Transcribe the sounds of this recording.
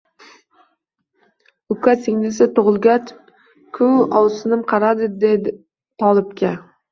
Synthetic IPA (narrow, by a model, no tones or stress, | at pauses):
ʊkʰatsɪŋnɪsɪt̪ʊʁʊlˠɡʲat͡ʃ | kʰʊɒwsɪnɪmqʰɑɾad̪ɪd̪ed̪ | t̪ʰɒlˠɪpkʲa